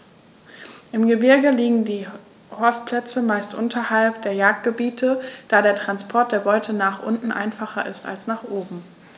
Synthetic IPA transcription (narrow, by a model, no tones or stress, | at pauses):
ʔɪmɡəbɪɐɡəliːɡŋ̩diː | hɔɐst̚pʰl̥ɛt͡səmaɪstʔʊ̰ntʰɐhalpd̥eːɐjaːk̚t̚ɡ̥əbiːtʰəd̥aːɾeːɐtʁ̥anspʰɔɐt̚d̥eːɐbɔʏtʰənaːχʔʊntn̩ʔa̰ɪnfaχɐʔɪ̰sta̰lsnaːχʔoːbm̩